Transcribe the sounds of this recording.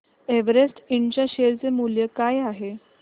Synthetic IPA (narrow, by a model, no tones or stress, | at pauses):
eʋəɾesʈiɳt͡ɕaɕeɾt͡semuljəkajaɦe